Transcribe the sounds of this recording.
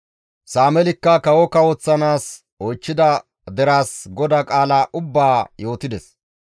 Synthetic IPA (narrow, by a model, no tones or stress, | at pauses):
saːmɛlɪkːɐkɐwɔkɐwɔt͡sːɐnaːs | ɔjt͡ʃːɪd̪ɐ | d̪ɛɾaːsɡɔd̪akʼaːlaʔʊbːaːjo̞ːt̪ɪd̪ɛs